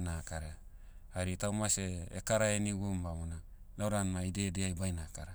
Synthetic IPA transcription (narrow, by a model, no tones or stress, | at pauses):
nakaɾe | aɾitawmaseekaɾaeniɡumbamona | lawɾanmaidedeajbajnaka̰ɾe